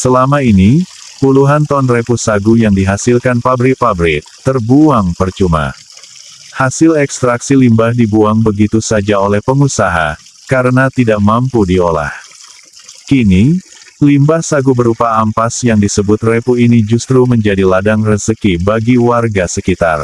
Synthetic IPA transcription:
səlamainipuluɦant̪ɔnrepusaɡujaŋdiɦasɪlkanpabɾɪk̚fabɾɪtt̪ːərbuaŋpərt͡ʃuma̰ | hasɪlɛkst̪ɾaksilimbahdibuaŋbəɡit̪usad͡ʒaolɛhpəŋusaɦa̰ | kaɾənat̪idaʔmampudiola̰h | kinilimbahsaɡubəɾupaːmpasjaŋdisəbʊt̪repuinid͡ʒust̪ɾuməɲd͡ʒadiladaŋrəsəkibaɡiwarɡasəkit̪a̰r

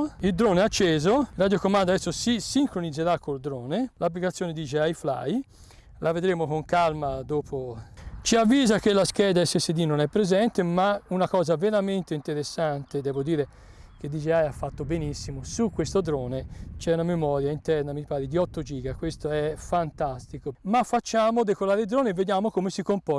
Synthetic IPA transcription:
ild̪ɾoːneat͡ʃːeːzorad̪jokomand̪aɛsːosisiŋkɾonid̪zeɾakːold̪ɾoːnelap̬ːlikat̪sːjoːned̪iːt͡ʃeajfla̰j | lʔaved̪ɾeːmokoŋkalmad̪oːpʰot͡ʃiavːiːzakelːaskɛːd̪aɛsːesed̪inːonɛpːɾezɛnt̪emaunakɔːzaveɾament̪eint̪eɾesːant̪ed̪ɛːvod̪iːɾe | k̟ed̪id͡ʒeajafːat̪ːobenisːimosukːwest̪od̪ɾɔːnet͡ʃɛunamemɔːɾjaint̪ɛɾnamipaːɾed̪iɔt̪ːod͡ʒiːɡakwest̪oɛfant̪ast̪ikomafːat͡ʃːaːmod̪ekolaːɾed̪ɾoːneved̪jaːmokomesikompɔ

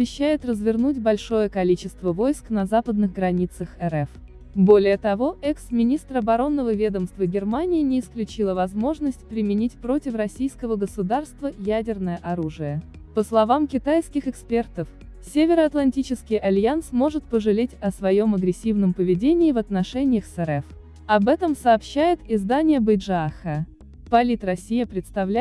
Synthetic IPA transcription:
ɐbʲɪɕːæjɪt̪rəzvʲɪrnutʲbɐlʲʂo̞jəkɐlʲit͡ɕɪst̪vəvo̞jsknɐzapəd̪nɨɣɡɾɐnʲit̪səxɛɾɛf | bo̞lʲɪjət̪ɐvo̞ʔɛksmʲɪnʲist̪ɾəɐbɐɾo̞nːəvəvʲe̞d̪əmst̪vəɡʲɪrmanʲɪjːnʲɪːsklʲʉt͡ɕilˠəvɐzmo̞ʐnəsʲt̚ʲpɾʲɪmʲɪnʲitʲpɾo̞tʲɪfrɐsʲijskəvəɡəsʊd̪arst̪vəjædʲɪrnəjəʔɐɾuʐɨjə | pəslˠɐvamkʲɪt̪ajskʲɪxɨkspʲe̞rt̪əf | sʲevʲɪɾəɐt̪lˠɐnʲtʲit͡ɕɪskʲɪjɐlʲjansmo̞ʐɨt̪pəʐɨlʲetʲɐsvɐjo̞mɐɡɾʲɪsʲːivnəmpəvʲɪdʲenʲɪːvɐt̪nɐʂɛnʲɪjəxsɛɾɛf | ɐbɛt̪əmsɐːpɕːæjɪt̪ɪzd̪anʲɪjəbɨjdʐaxə | pɐlʲit̪rɐsʲːijəpɾʲɪt̪st̪ɐvlʲæ

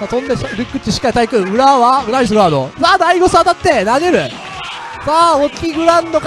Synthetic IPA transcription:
sat̪õnd̪eɾɯkːɯ̟t͡ɕːiɕi̥kːait̪aikɯ̃ɯ̟ɾaβaɯɾaɲis̬ɨɡoad̪o̰saːd̪aiɡosat̪at̪ːenaɡeɾɯ̟ | saːokʲiɡɯ̟ɾãnd̪ok

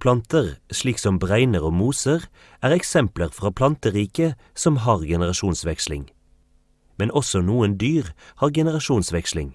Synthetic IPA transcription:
pʰlɑnt̪əʁʃliːksɔmbʁæɪnəʁoːmuːsəʁ | ʔæːʁɛksɛmpləʁfʁɑːpʰlɑnt̪əʁiːkə | sɔmɦɑːʁɡɛnəʁɑʃuːnsʋɛkslɪ̰ŋ | mɛnɔsɔnuːənd̪yːʁhɑːʁɡɛnəʁɑʃuːnsʋɛkslɪŋ

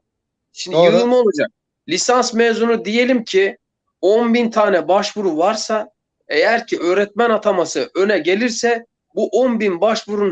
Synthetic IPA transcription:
ʃimd̪ioumolˠud͡ʒak̚ | lʲisansmeːzunud̪ije̞lʲimcʰi | onbint̪ʰaːnɛbaʃvuɾuvaɾsa | e̞jæɾcʰiʔø̞ːɾɛt̪̚mænat̪ʰamasɯʔø̞nɛɟe̞lʲiɾsɛ | buʔonbinbaʃvuɾun

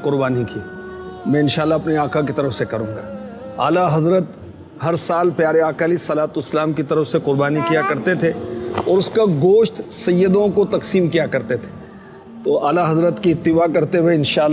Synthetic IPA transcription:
kʊɾbaːnikimɛ̃ːɪnʃaːlːaɐpniaːkak̬it̪ɐɾəfsekɐɾũːŋɡa̰ː | aːlaɦɐzɾət̪ | ɦɐɾsaːlpjaːɾeaːkaːlisɐlaːt̪oɪslaːmkit̪ɐɾəfseqʊɾbaːnikijakɐɾt̪et̪ʰeɔːɾʊskaɡoːʃt̪sɐjːəd̪õkot̪ɐksiːmkijakɐɾt̪et̪ʰe̥ | t̪oaːlaɦɐzɾət̪kiɪt̪ːɪbaːkɐɾt̪eweɪnʃaːlː

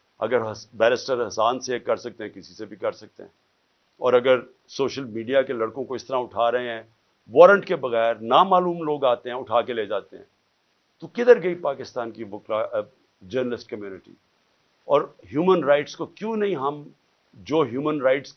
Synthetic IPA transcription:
ɐ̰ɡəɾbɛːɾɪsʈəɾɦɐsaːnsekɐɾsɐk̚t̪ẽɦɛ̃kɪsi̥sebʱikɐɾsɐk̚t̪ḛɦɛ̰̃ː | ɔːɾɐɡəɾ | soːʃəlmiːɖijakelɐɽkõkoɪst̪əɾaʊʈʰaːɾɐɦẽɦɛ̃ː | ʋɔːɾə̃ɳʈkebɐɣɛːɾnaːmaːluːmloːɡaːt̪eɦɛ̃ʊʈʰaːkeleːd͡ʒaːt̪eɦɛ̰̃ː | t̪okɪd̪əɾɡɐipaːkɪst̪aːnkibʊklaː | d͡ʒəːɾnəlɪsʈ̚kɐmjuːnɪʈḭː | ɔːɾɦjuːmənɾaːɪʈskokjõːnɐɦĩɦɐm | d͡ʒoːɦjuːmənɾaɪʈs

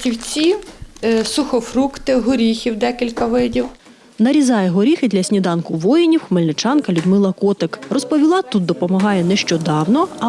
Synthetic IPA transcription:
tʲiwt͡sʲi | sʊxɔfrukt̪ɪɦɔɾʲixʲiwd̪ɛkʲilʲkɐʋɪdʲiw | nɐɾʲizɑjɛɦɔɾʲixɪd̪lʲɐsʲnʲid̪ɑnkʊʋɔjenʲiwxmɪlʲnɪt͡ʃɑnkɐlʲud̪mɪlˠɐkɔt̪ɪkrɔspɔʋʲilˠɑt̪ut̪̚d̪ɔpɔmɐɦɑjɛnɛʃt͡ʃɔd̪ɑwnɔɐ

